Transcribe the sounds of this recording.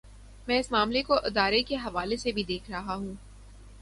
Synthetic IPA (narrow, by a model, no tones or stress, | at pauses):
mɛ̃ːɪsmaːmlekoʔɪd̪aːɾekeɦɐʋaːlesebʱid̪eːkʰɾɐɦaɦũː